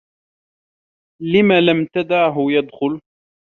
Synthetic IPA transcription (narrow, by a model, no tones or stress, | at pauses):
lɪmaːlamt̪ad̪aʕɦʊjad̪xʊl